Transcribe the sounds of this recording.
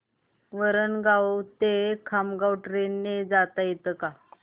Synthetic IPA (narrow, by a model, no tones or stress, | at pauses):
ʋəɾənɡawt̪ekʰamɡawʈɾenːed͡zat̪ajet̪əka